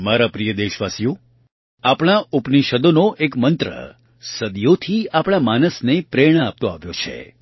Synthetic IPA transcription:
maɾapɾijəd̪eʃʋasijo | apɽ̃aupniʃəd̪onoʔekmənt̪ɾə̰ | səd̪jot̪ʰiapɽ̃amanəsnepɾeɽ̃əap̚t̪oaʋjot͡ʃʰḛ

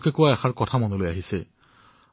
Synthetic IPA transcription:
kɛkuwaɛxaɹkɔtʰamɔnolojaɦisɛ

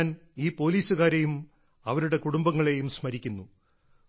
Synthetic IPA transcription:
niːpo̞ːliːsuɣaːɾe̞jum | ɐʋɐɾuɽe̞kuɽumbɐŋːɐɭe̞jumsmɐɾikʲːunːu

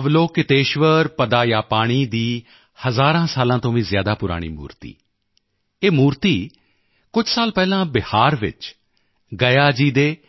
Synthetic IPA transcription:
ʋloːkɪt̪eːʃʋəɾpəd̪aːjaːpaːɽ̃iːd̪iː | həzaːɾãːsaːlãːt̪õːʋĩːzjaːd̪aːpʊɾa̰ːɽ̃ḭːmṵːɾt̪ḭː | eːmuːɾt̪iː | kʊd͡ʒʱsaːlpɛːlãːbɪhaːɾʋɪ̰t͡ʃ | ɡəjaːd͡ʒiːd̪eː

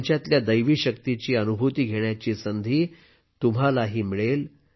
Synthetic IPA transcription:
ɲt͡ɕjat̪ljad̪əjʋiːɕəkt̪it͡ɕiːənubʱut̪iːɡʱeɳjat͡ɕiːsənd̪ʱiː | t̪um̤alaɦiːmiɭel

